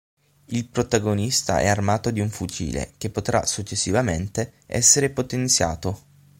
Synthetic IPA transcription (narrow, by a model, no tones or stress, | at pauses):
ilpɾot̪aɡonist̪a̰ʔɛ̰armaːt̪od̪iuɱfut͡ʃḭːlḛk̟epːot̪ɾa̰sut͡ʃːesːivament̪eɛ̰sːeɾepot̪ent̪sja̰ːt̪o